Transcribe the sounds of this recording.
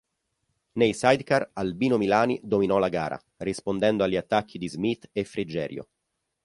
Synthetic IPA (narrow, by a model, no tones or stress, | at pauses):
nejsajd̪karalbiːnomilaːnid̪ominɔlaɡaːɾʔa̰ | rispond̪ɛnd̪oaʎːiat̪ːakʰːid̪izmit̪ːefɾid͡ʒɛːɾjo̰